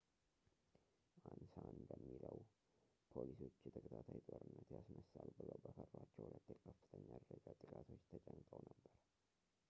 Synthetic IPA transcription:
ʔansanbəmːiləw | pʰolisot͡ʃːɛt̪ʰəkʰʼət̪ʰat̪ʰajt̪ʼoɾɨnːət̪jasnəsalubɨləwbəfəɾbat͡ʃːɛwhulət̪ːjɛkʰəfːɨt̪ʰəɲːad̪ɾəd͡ʒat̪ʼɨkʼat̪ʰo̞t͡ʃːt̪ʰət͡ʃʼəɲt̪ʼəwnəbːəɾ

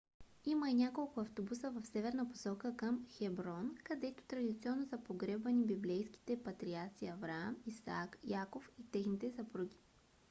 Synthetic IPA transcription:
imɐinʲakolˠkʊɐft̪obusəvɐfsɛvɛɾnəpo̥sɔkəkəmxɛbɾɔnkɐd̪ɛt̪o̥t̪ɾɐd̪it̪siɔnːosɐpoɡɾɛbvɐnibiblɛjski̥t̪ɛpɐt̪ɾiaɾt̪siɐvɾamisa̰kjakofit̪ɛxnit̪ɛsɐpɾuɡ̟ʲi̥

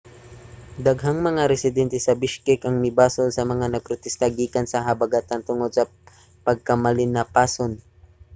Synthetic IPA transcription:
d̪ɐɡɦaŋmɐŋaɾɛsɪd̪ɛnt̪ɛsɐbɪʃkɪkɐŋmɪbaːsolsɐmɐŋanɐɡ̚pɾot̪ɛst̪ɐɡiːkɐnsɐɦɐbɐɡat̪ɐnt̪ʊŋod̪̚sɐ | pɐɡ̚kɐmɐlɪnɐpaːson

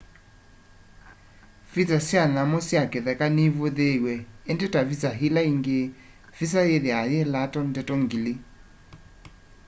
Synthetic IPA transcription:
fit͡sasjanamosjakeðɛkaniβoðeɣwɛendɛtavisaɦilaiŋɡe | fis̬ajeðeajelatɔndɛtɔŋɡili

